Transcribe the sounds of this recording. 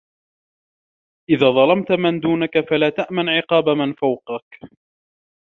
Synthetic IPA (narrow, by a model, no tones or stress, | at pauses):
ʔɪðaːðˤɑlɑmt̪mand̪uːnakafalaːt̪aʔmanʕɪqɑːbamanfawqɑk